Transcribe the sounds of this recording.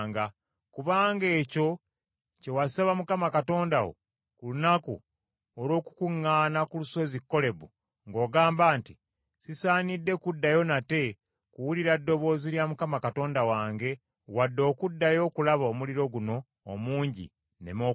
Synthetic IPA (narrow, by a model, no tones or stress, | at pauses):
ŋɡa | kuβaːŋɡe̞ːco̞ | ce̞wasaβamukamakato̞ːndawo̰ | kulunakṵ | oɾo̞ːku̥kuŋːaːnakuluso̞zikːo̞le̞βu | ŋɡo̞ːɡaːmbaːnti | sisaːnidːe̞kudːajo̞nate̞ | kuwuliɾadːo̞βo̞ːziljamukamakato̞ːndawaːŋɡe̞ | wadːo̞ːkudːajo̞ːkulaβaomuliɾo̞ɡuno̞ː | muːɲɟḭ | ne̞̰mo